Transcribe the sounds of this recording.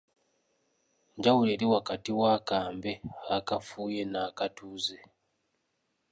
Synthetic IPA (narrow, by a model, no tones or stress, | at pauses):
ɲɟawuɾeɾiwakatiwakaːmbe̞aakafuːje̞naːkatuːze